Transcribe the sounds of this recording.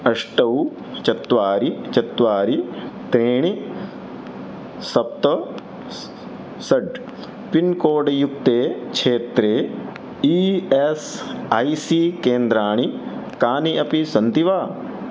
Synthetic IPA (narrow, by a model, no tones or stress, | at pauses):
ɐʂʈɐw | t͡ʃɐt̪ʋaːɾit͡ʃɐt̪ʋaːɾit̪ɾeːɳ̃i | sɐp̚t̪ɐ | sɐɖ | pinkoːɖjuk̚t̪eːkʃʰeːt̪ɾeː | iesaːjsiːkeːnd̪ɾaːɳ̃ikaːniʔɐpisɐnt̪iʋaː